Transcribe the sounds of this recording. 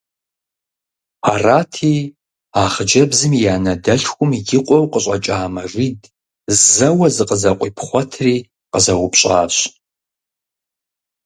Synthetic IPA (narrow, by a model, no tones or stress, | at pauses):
aːraːtʰiː | aːχəd͡ʒɐbzɨmjaːnɐdɐɬxʷʊmɡɪqʷʼɔwqəɕʼɐt͡ʃʼaːmɐriːd | zzɐwɐzɨqʼəzɐqʷʼiːpʰχʷɔtʰriː | qəzɐwʊpɕʼaːɕʼ